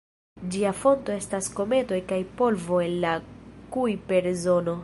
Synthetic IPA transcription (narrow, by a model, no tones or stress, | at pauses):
d͡ʒiafo̞nto̞e̞stasko̞me̞to̞jkajpo̞lvo̞e̞nlakujpe̞ɾzo̞no̞